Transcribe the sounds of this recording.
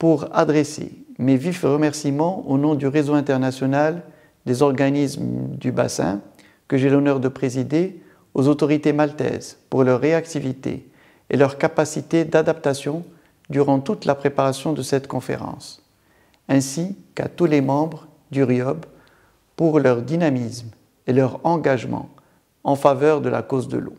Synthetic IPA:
puʁa̰d̪ʁesḛmevifʁəmɛʁsimɑ̃onɔ̃d̪yʁezoɛ̃t̪ɛʁnasjɔnal | d̪ezɔʁɡanismd̪yba̰sɛ̰̃ | kəʒɛlɔnœʁd̪əpχezid̪e | ozot̪ɔʁit̪emalt̪ɛ̰zpuʁlœʁːeakt̪ivit̪ḛ | ḛlœʁkapasit̪ed̪ad̪ap̚t̪asjɔ̃ | d̪yʁɑ̃t̪ut̪lʔapχepaʁasjɔ̃d̪əsɛt̪kɔ̃fḛʁɑ̰̃s | ɛ̃sika̰t̪ulemɑ̃bʁ | d̪yʁjɔb | puʁlœʁd̪inamism | elœʁɑ̃ɡaʒmɑ̰̃ | ɑ̃favœʁd̪əla̰kozd̪ə̰lo̰

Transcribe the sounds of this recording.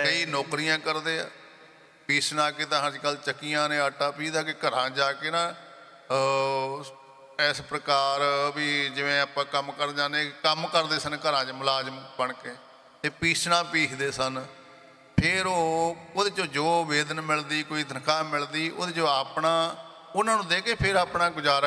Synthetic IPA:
kəiːnoːkɾɪjãːkəɾd̪eːa̰ː | piːsʰnãːkeːt̪ãːɦəɾt͡ʃkəlt͡ʃəkːijãːnẽːəʈaːpiːd̪aːkeːkəɾãːd͡ʒaːkeːnãː | ɛːspɾəkaːɾbiːd͡ʒɪʋẽːaːpãːkəmkəɾd͡ʒãːneːkəmkəɾd̪eːsənkəɾãːt͡ʃməlaːd͡ʒmbəɳkeː | t̪eːpiːsʰnãːpiːkʰd̪eːsən | pʰɪɾoːod̪eːd͡ʒoːd͡ʒoːʋeːd̪ənmɪld̪iːkoːiːd̪ʱənkʰaːmɪld̪iːʔo̰ːd̪eːd͡ʒoːaːpɳaː | ʊnãːnũːd̪eːkʰeːpʰɪɾaːpɳaːɡʊd͡ʒaːɾ

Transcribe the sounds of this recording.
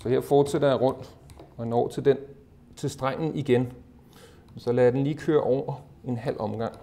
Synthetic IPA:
sɒ̽he̝ɐ̰fɒːd̥sed̥ɐjɑʁɔ̽n̰ɒænɒːt͡sʰed̥e | t͡sʰe̝lsd̥ʁaŋ̰n̩iɡ̥en | mnsɒ̽læd̥enliːkʰøːɐʔɒʊ̰ɐ | e̝nɦæl̰ɒ̽mɡ̥ɑ̈ŋ̰

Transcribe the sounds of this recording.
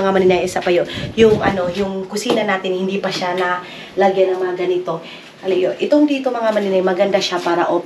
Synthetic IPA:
ŋamɐnɪnajʔɛsapɐjonjʊŋʔɐ̰no̞jʊŋkʊsiːnɐnaːt̪ɪnhɪnd̪ipɐʃanɐ | lɐɡjanɐŋmɐŋaɡɐnɪt̪o̞ | hɐlijoʔɪt̪o̞ŋd̪iːt̪omɐŋamɐnɪnajmɐɡɐnd̪aʃapaːɾɐʔoːp

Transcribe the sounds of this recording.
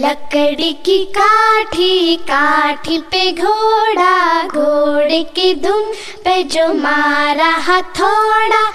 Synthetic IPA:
lɐkəɽikikaːʈʰikaːʈʰipeɡʱoːɽaɡʱoːɽekid̪ʱum | ped͡ʒomaːɾaɦat̪ʰoːɽa

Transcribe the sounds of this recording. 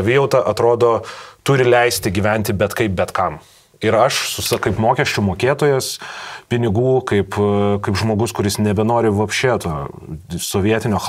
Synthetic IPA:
ɐʋʲɪjɛʊt̪ɐʔɐt̪ɾoːd̪oːt̪ʊɾʲɪlʲɛɪsʲt̪ʲɪɡʲiːʋʲɛnʲt̪ʲɪbʲɛt̪kɐɪp̚bʲɛt̪kɐm | ɪɾɐʃsʊsɐkɐɪpmoːkʲɛʃʲt͡ʃʲʊmoːkʲeːt̪oːjɛspʲɪnʲɪɡuːkɐɪpkɐɪpʒmoːɡʊskʊɾʲɪsnʲɛbʲɛnoːɾʲɪʋɐpʲʃʲt͡ʃʲeːt̪oː | soːʋʲiɛt̪ʲɪnʲoːx

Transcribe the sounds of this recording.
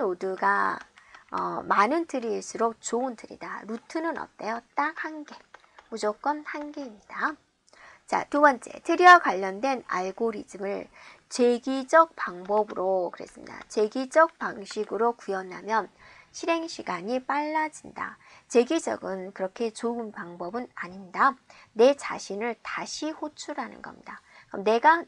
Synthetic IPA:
nodɯɡa | ʌ̰manɯntʰɯɾiːɭs͈uɾok̚t͡ɕoɯntʰɯɾḭda̰ɾutʰɯnɯnʌ̰t̚t͈ejot͈ak̚hanɡe̞ | mud͡ʑok͈ʌnhanɡeimɲida | t͡ɕa̰tubʌnt͡ɕ͈e̞̰tʰɯɾiakwaʎːʌndwe̞na̰ɭɡoɾidɯmɯɭt͡ɕe̞ɡid͡ʑʌk̚paŋbʌbɯɾokɯɾe̞̰s͈ɯmɲḭd̥a̰t͡ɕe̞ɡid͡ʑʌk̚paŋɕʰiɡɯɾokujʌnɦa̰mjʌnɕʰiɾe̞ŋɕʰiɡaɲip͈aɭːad͡ʑinda̰t͡ɕe̞ɡed͡ʑʌ̰ɡɯnkɯɾʌkʰe̞t͡ɕoɯnpaŋbʌbɯnaɲinda | ne̞t͡ɕaɕʰinɯɭtaɕʰihot͡ɕʰuɾanɯ̰nɡʌ̰mɲidakʌmne̞ɡa

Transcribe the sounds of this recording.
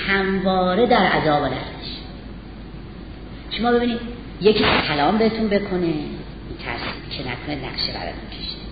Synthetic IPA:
hæmvɒːɾe̞d̪æɾʔæzɒːbelæ̰d̪miʃ | ʃomɒːbe̞biːniːd̪̥ | jecʰiːsʰælɒːmbeet̪ʰunbe̞kʰo̞ne | int̪ʰæ̰ɾsicʰenæ̰kʰonenæ̰ɡʃebæ̰ɾɒ̰t̪ʰuncʰeʃ

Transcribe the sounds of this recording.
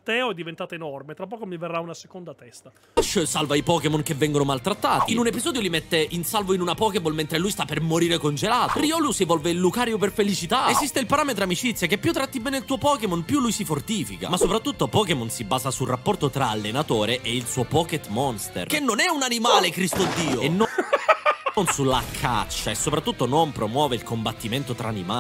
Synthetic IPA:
t̪ɛɔɛd̪ːivent̪aːt̪oenɔrmet̪ɾapːɔːkomiverːaunasekond̪at̪ɛst̪a | aʃːsalvaipɔkemonk̟evːɛŋɡonomalt̪ɾat̪ːaːt̪iinunepizɔːd̪jolimet̪ːeʔinsalvoinunapɔːkebolment̪ɾelujst̪apːermoɾiːɾekond͡ʒelaːt̪oriɔlusievɔlveilːukaːɾjoperfelit͡ʃit̪aezist̪eilpaɾaːmet̪ɾoamit͡ʃit̪sːjakepːjut̪ːɾat̪ːibɛːneilt̪uːopɔːkemonpjulːujsifort̪iːfika̰masːopɾat̪ːut̪ːopɔkemonsibaːzasulrapːɔrt̪ot̪ɾaːlːenat̪oːɾeʔeilsuːopɔket̪mɔnst̪ḛrkenːonɛunanimaːlekɾist̪od̪ːiːoenːo | onsulːakʰa̰t͡ʃːaesːopɾat̪ːut̪ːonompɾomwɔːveilkombat̪ːiment̪ot̪ɾa̰ːnḭma

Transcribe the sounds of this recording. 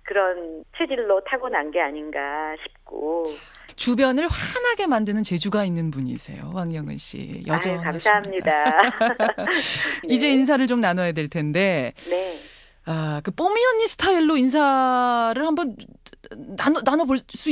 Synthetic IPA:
kɯɾʌnt͡ɕʰwed͡ʑiɭːotʰaɡonanɡeaɲinɡaɕʰi̥p̚k͈o | t͡ɕubjʌnɯɭɸwanɦaɡe̞mandɯnɯnt͡ɕe̞d͡ʑuɡainːɯnpuɲḭsʰe̞̰jo̰waŋɲʌŋɯ̰nɕ͈ḭjʌd͡ʑʌkaasaɦammɲida | id͡ʑe̞ins̬ʰaɾɯɭt͡ɕomnanʌjadwe̞ɭtʰe̞nde̞ne̞ | akɯp͈omiʌɲːisʰɯ̥tʰaiɭːoins̬ʰaɾɯɭhambʌnː | anonanʌboɭs͈u

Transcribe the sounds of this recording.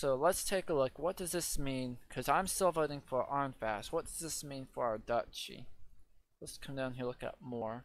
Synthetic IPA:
soʊlətstʰeɪkəlʊkwʌt̚d̥ʌzðɪsmĩnkʰʌzãɪ̃mstɪlˠvoʊɾɪ̃ŋfə˞ʔɑɹnfæst̚wʌt̚d̥ʌz̥ðɪsmĩnfə˞aʊə˞dʌt͡ʃḭ | lətskʰʌ̃mdãʊ̃nɦilʊkʌ̰t̚mɔɹ

